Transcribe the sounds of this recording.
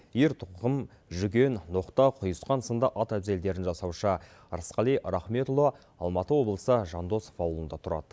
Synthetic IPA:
jeɾt̪ʰʊʁəm | ʒʏɡʲe̞nːo̞qt̪ɑqʰʊjəsqɑnsənd̪ɑʔɑt̪æbze̞ld̪e̞ɾɪnʒɑsɑwʃə | ɾəsqɑlˠijɾɑχme̞t̪ulˠo | ɑlˠmɑt̪əwo̞blˠəsəʒɑnd̪o̞sfɑwlˠənd̪ɑt̪ʰʊɾɑ̰d̪ə

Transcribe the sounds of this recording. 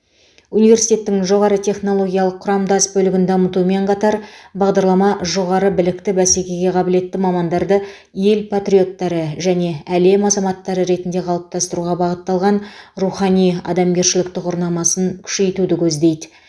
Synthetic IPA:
unijvʲe̞ɾsijt̪e̞t̪ːɪŋʒo̞ʁɑɾət̪ʰe̞χno̞lˠo̞ɡʲijɑlˠəqʰːʊɾɑmd̪ɑzbɵlɪɡʲɪnd̪ɑmət̪ume̞ɴqʰɑt̪ɑɾbɑʁd̪ɑɾlˠɑmɑʒo̞ʁɑɾəbɪlɪkt̪ɪbæse̞kʲe̞ɡʲe̞qʰɑbɪle̞t̪ːɪmɑmɑnd̪ɑɾd̪ə | je̞lpʰat̪rʲijo̞t̪ːɑɾəʒæne̞æle̞mɑzɑmɑt̪ːɑɾəɾe̞t̪ɪnd̪e̞qʰɑlˠəp̚t̪ʰɑst̪əɾuʁɑbɑʁət̪ːɑlˠʁɑnruχɑnijɑ̰d̪ɑmɡʲe̞ɾʃɪlɪkt̪ɪqoɾnɑmɑsəŋkʲʰʏ̥ʃe̞jt̪ud̪ɪkʲʰɵzd̪e̞jd̪ɪ

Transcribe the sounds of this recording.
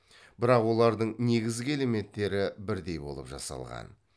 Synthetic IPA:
b̥ɪɾɑqwo̞lˠɑɾd̪əɴne̞ɡʲɪzɡʲɪele̞me̞t̪ːe̞ɾɪbɪɾd̪e̞jbo̞̰lˠə̰pʒɑ̰sɑ̰lˠʁɑ̰n

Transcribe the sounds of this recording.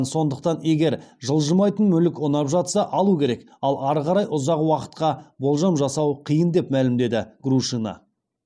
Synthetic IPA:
nso̞nd̪əq̚t̪ɑne̞ɡʲe̞ɾʒəlˠʒəmɑjt̪ənmɵlɪkonɑpʒɑt̪sɑʔɑlˠukʲʰe̞ɾe̞k | ɑlˠɑɾʁɑɾɑjʔʊzɑqwɑqə̥t̪qɑbo̞lˠʒɑmʒɑsɑwqʰijənd̪e̞pmælɪmd̪e̞d̪ɪɡruʃinɑ̰

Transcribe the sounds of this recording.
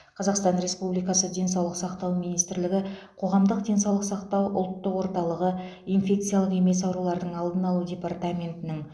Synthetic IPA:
qʰɑzɑqst̪ɑnɾe̞spublijkɑsəd̪ʲe̞ns̬ɑwlˠəqsɑqt̪ɑwmijnijst̪ɪɾlɪɡʲɪ | qʰo̞ʁɑmd̪əqd̪ʲe̞nsɑwlˠəqsɑqt̪ɑwʊ̰lˠt̪ːəqwo̞ɾt̪ɑlˠəʁə | infʲe̞k̚t̪sɨjalˠəqe̞me̞s̬ɑwɾulˠɑɾd̪əɴɑlˠd̪ənɑlˠudʲe̞part̪amʲe̞nt̪ɪnɪŋ

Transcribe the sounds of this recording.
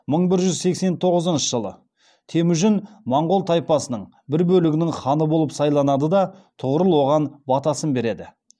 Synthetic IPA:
məɴbɪɾʒʏzse̞kse̞nt̪ʰo̞ʁəzənʃəʒəlˠə̰ | t̪ʰe̞mɪʒɪnmɑɴʁolˠt̪ʰɑjpɑsənəɴ | bɪɾbɵlɪɡʲɪnɪŋχɑnəbo̞lˠəpsɑjlˠɑnɑd̪əd̪ɑt̪ʰʊʁəɾəlˠwo̞ʁɑnbɑt̪ɑsənbe̞ɾe̞d̪ɪ

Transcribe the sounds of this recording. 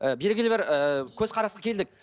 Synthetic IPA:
əbe̞lɡʲɪlebɪɾəkʲʰɵzqʰɑɾɑsqɑkʲʰe̞ld̪ɪk̚

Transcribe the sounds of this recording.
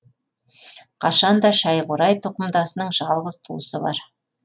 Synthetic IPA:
qʰɑʃɑnd̪ɑʃɑjʁʊɾɑjt̪ʰŏqəmd̪ɑsənəɴʒɑlˠʁəz̥t̪ʰuəsəbɑ̰ɾ

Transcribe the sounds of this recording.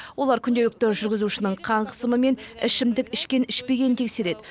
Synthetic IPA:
wo̞lˠɑɾkʲʰʏnd̪e̞lɪk̚t̪eɾʒʏɾɡʲɪzuʃɪnɪɴqʰɑɴqʰə̥səməme̞nɪʃɪmd̪ɪkʲɪʃkʲenɪʃpe̞ɡʲe̞nɪnt̪ʰekse̞ɾe̞d̪ɪ

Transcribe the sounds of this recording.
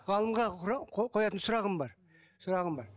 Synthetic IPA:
ʁɑlˠəmʁɑɾɑqʰqʰo̞jɑt̪ənsʊɾɑʁəmbɑɾ | sʊɾɑʁəmbɑɾ

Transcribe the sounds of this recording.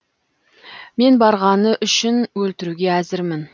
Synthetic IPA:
me̞nbɑɾʁɑnəʔʏʃɪnwɵlt̪ɪɾuɡʲe̞æzɪɾmɪn

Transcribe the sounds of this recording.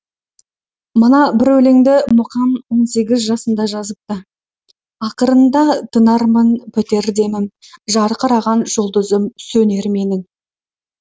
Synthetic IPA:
mənɑbɪɾwɵleŋd̪ɪmʊqɑnwo̞nse̞ɡʲɪzʒɑsənd̪ɑʒɑzəp̚t̪ə | ɑqəɾənd̪ɑt̪ʰənɑɾmənpʰɪt̪e̞ɾd̪e̞mɪnʒɑɾqəɾɑʁɑnʒ̥olˠd̪əzəmsɵne̞ɾme̞nɪŋ

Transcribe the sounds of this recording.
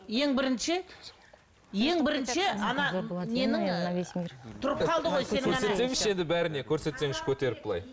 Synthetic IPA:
je̞ŋbɪɾɪnʃɪ | je̞ŋbɪɾɪnʃɪɑnɑme̞nɪŋnesmt̪ʰʊɾəp̚qʰɑlˠd̪əʁo̞jseɪɵɾɑne̞t̪se̞mɪʃe̞nd̪ɪbæɾɪne̞kʲʰɵɾse̞t̪se̞ŋɪʃkʲʰɵt̪e̞ɾɪp̚b̥əlˠɑ̰j

